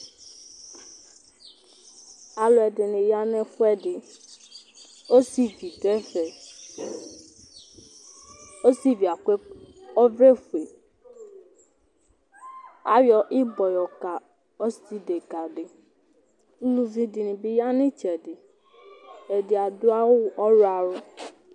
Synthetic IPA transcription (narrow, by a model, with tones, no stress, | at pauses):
a˨lo˨ɛ˨ɖɪ˨nɪ̃˨ja˦nɛ̃˦fʊ˦ɛ˦ɖɪ˨ | o˦si˦vi˨d̪ɛ˦fɛ˨ | o˦si˦vi˨a˨ke˦ɔ˦ve˦fu˨e˨ | a˦wjɔ˦ʔɪ˦bɔ˨jɔ˨ka˨ | ɔ˦si˦de˨ɡa˨dɪ˨˦ | lu˨vĩ˨di˨nɪ̃˨bi˦ja˦nɪ̃˦t͡ʃɛ˨dɪ˨ | ɛ˨dɪ˨a˨dʊ˦a˦wʊ˦˨ɔ˦ɾa˨ɾʊ˦